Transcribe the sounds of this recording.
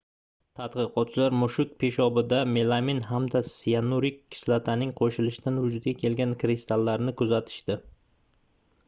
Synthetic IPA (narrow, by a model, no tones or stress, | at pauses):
t̪ʰat̪qɨqʰɒt̪̚t͡ʃɪlaɾmʊʃʊk̚pʰe̞ʃɒbɪd̪ame̞lˠaminɦamd̪asijanuɾɪkʲʰːɪ̥slat̪ʰanɪŋqʰoʃɪlɪʃɪd̪anvʊd͡ʒʊd̪ɡʲakʲʰe̞lɡʲankɾist̪ʰalːaɾnɪkʰɵzat̪ʰɪ̥ʃt̪ɪ